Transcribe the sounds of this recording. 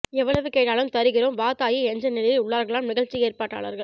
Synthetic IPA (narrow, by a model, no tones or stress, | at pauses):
ɛʋːɐɭɐʋɯkeːʈːaːlɯmt̪ɐɾɯɣɪɾoːmʋaːt̪aːjɪɛɲd͡ʒɐnɪlɐjɐʊɭːaːɾɣɐɭaːmnɪɣɐɻt͡ʃːieːɾpaːʈːa̰ːɭɐ̰ɾɣɐɭ